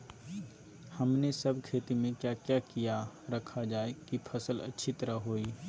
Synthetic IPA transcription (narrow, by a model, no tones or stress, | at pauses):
hɐmnesəbʱkʰeːt̪imẽkjakjakijaɾɐkʰad͡ʒaːekipʰɐsəlɐ̰tːʃʰit̪əɾaɦoːi